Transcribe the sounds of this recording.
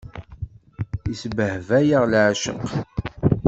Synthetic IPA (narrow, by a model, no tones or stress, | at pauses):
isbəhvæjəʁlʕaʃə̰q